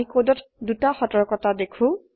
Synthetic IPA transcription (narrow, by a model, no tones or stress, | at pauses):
ikodɔtdutaxɔtɔɹkɔtadekʰũ